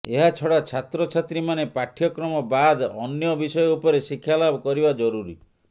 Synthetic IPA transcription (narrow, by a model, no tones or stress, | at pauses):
eɦat͡ʃʰɔɽat͡ʃʰat̪ɾɔt͡ʃʰat̪ɾimanepaʈʰjɔkɾɔmɔbad̪ɔnjɔbisɔjɔupɔɾesikʰːjalabɔkɔɾibad͡ʒɔɾuɾḭ